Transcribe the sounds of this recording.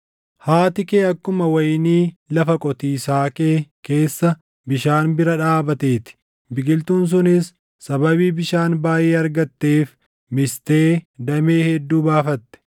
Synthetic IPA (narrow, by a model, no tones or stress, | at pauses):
haːt̪ɪkeːɐkːʊmɐwɐjniːlɐfɐkʼɔt̪iːsaːkeːke̞ːsːɐ | bɪʃaːnbɪɾɐᶑaːbɐt̪e̞ːt̪ɪ̥ | bɪɡɪlt̪uːns̬ʊnɪsː | ɐbɐβiːbɪʃaːnbaːjeːɐɾɡɐt̪ːe̞ːf | mɪst̪e̞ːd̪ɐmeːhɛd̪ːuːbaːfɐt̪ːɛ̥